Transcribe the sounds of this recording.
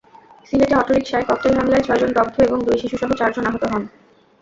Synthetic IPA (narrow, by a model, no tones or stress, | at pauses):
sineʈeɔʈoɾikʃaekɔt̪ːelɦamlaet͡ɕʰɔed͡ʑondɔb̚d̪ʱːoeboŋd̪ujʃiʃuʃɔɦot͡ɕaɾd͡ʑonaɦot̪oɦɔn